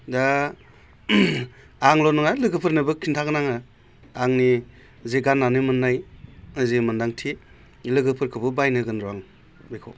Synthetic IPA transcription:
da | aŋlɔnɯŋajlɯɡɯpʰɯɾnɯbɯkʰintʰaɡɯnaŋɯ | aŋni | zeɡanːanɯmɯnːajɯzemɯndaŋtʰi | lɯɡɯpʰɯɾkʰɯbɯbajnɯɡɯnɾaŋ | bekʰɔ̰

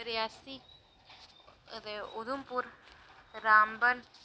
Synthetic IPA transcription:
ɾjaːsi | d̪eʊd̪ʊmpʊɾ | ɾaːmbəl

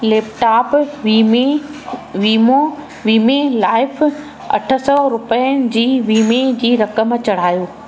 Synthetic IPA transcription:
leːp̚ʈaːpːme | ʋiːmo | ʋiːmelaːɪf | ɐ̰ʈʰə̆sɔɾʊpəənɪ̆d͡ʑiːʋiːmed͡ʑiːɾɐkəmt͡ɕɐɽ̤aːjoː

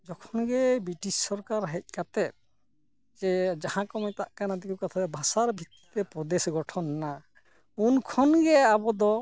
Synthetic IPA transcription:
d͡ʒɔkʰɔnɡɛbɾiʈissɔɾkaɾɦɛc̚ˀkat̪ɛ | d͡ʒɛd͡ʒahãkɔmɛt̪aʔkanad̪ikukat̪ʰaɾɛbʱasaɾbʱit̪ːi̥t̪ɛpɾɔd̪esɡɔʈʰɔnːa | unkʰɔnɡɛabɔd̪ɔ

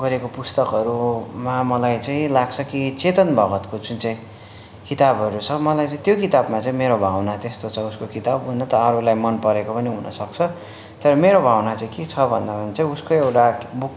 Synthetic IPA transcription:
ɡʌɾekopust̪ʌkʌɾumamʌlajt͡saĩlaɡt͡sʰʌkit͡set̪ʌnbʱʌɡʌt̪kod͡zunt͡saĩ | kit̪abʌɾut͡sʰʌmʌlajt͡saĩt̪jokit̪abmat͡sãĩmeɾobʱawnat̪est̪ot͡sʰʌuskokit̪abɦunʌt̪ʌːɾulajmʌnpʌɾekopʌneɦunʔʌ̰sʌk̚t͡sʰʌ | t̪ʌɾʌmeɾobʱawnat͡saĩket͡sʰʌbʱʌ̰nd̪apʌnet͡saĩuskoewʈabuk

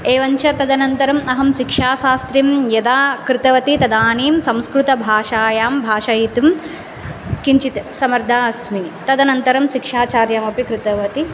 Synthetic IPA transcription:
eːʋɐɲt͡ʃɐt̪ɐd̪ɐnɐnt̪ɐɾɐmɐɦɐmʃikʂaːʃaːst̪ɾimjɐd̪aːkɾɪt̪ɐʋɐt̪it̪ɐd̪aːniːmsɐmskɾut̪ɐbʱaːʃaːjaːmbʱaːʃɐjit̪um | kiɲt͡ʃit̪sɐmɐɾd̪ʱaːɐsmit̪ɐd̪ɐnɐnt̪ɐɾɐmʃikʂaːt͡ʃaːɾjaːmɐpikɾɪt̪ɐʋɐt̪i

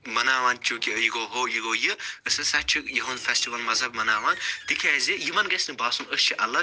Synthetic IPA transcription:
mɐnaːʋaːnt͡ʃʰuːkijiɡoːɦoːjɨɡoːjɨɨsɐsɐt͡ʃʰijɐɦonfɛsʈiʋɐlmɐzɦɐb̚mɐnaːʋaːnt̪ikʰaːzʲijɨmɐnɡɐsnɨbaːsunəst͡ʃʰiʔɐlːɐ

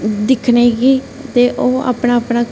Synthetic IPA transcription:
d̪ɪkʰneːɡiː | t̪eːʔoːa̰ːpnaːpnaː

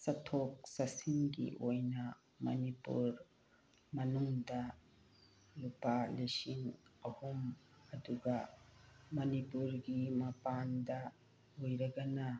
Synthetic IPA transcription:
sɐt̪ʰok̚sɐsiŋɡḭʔojna | mɐ̰nipṵɾ | mɐnuŋd̪a | lupalesiŋɐhumɐd̪uɡa | mɐnipuɾɡimɐpand̪a | ojɾɐɡana

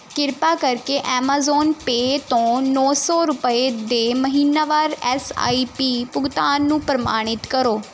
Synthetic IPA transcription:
kɪɾpaːkəɾkeːʔɛːmaːzɔːnpeːt̪õːnɔːsɔːɾʊpəeːd̪eːməɦiːnaːʋaːɾɛːsa̰ːiːpiːpʊɡt̪aːnːũːpɾəma̰ːɽ̃ɪt̪kəɾoː

